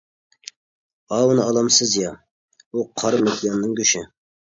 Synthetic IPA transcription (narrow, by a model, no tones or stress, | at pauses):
ɑwnɨɑlˠɑmsɨzjɑ | uqʰɑɾmekʲʰijɑnnɨŋkʲyʃɪ